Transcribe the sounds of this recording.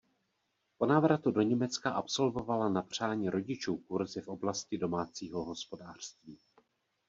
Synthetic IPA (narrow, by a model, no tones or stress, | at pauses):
po̞naːvɾat̪udo̞ɲɛmɛt͡skaʔapso̞lvo̞valanapr̝̥aːɲiːɾo̞ɟɪt͡ʃuːkuɾzɪfʔo̞blascɪdo̞maːt͡siːɦo̞ɦo̞spo̞daːr̥st̪viː